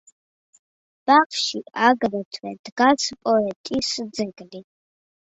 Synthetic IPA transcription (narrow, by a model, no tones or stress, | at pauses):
b̥aqʃiaɡɾɛt̪ʰwɛd̪ɡasʰpʼɔɛt̪ʼisd̪zɛɡli